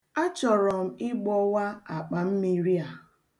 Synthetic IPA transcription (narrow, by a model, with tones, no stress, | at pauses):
a˦t͡ʃɔ˨ɾɔ˨m̩˦ɪ˦ɡ͡bɔ˦wa˦a˨k͡pa˨m̩˦mi˦ɾi˦a˨